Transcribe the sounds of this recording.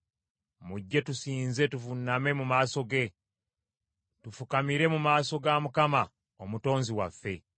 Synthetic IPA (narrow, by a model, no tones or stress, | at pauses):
muɟːe̞tusiːnze̞tuvunːame̞mumaːso̞ɡe̞ | tufukamiɾe̞mumaːso̞ɡamukama | omuto̞ːnziwafːe̞